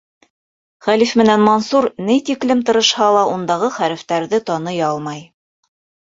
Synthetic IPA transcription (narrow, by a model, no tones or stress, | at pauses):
χælifmɘ̆nænmɑnsuɾnɘjt̪iklɘmt̪ɤ̆ɾɤ̆ʃhɑlˠɑʔund̪ɑʁɤχæɾɘ̆ft̪æɾðɘt̪ɑnɤjɑlˠmɑj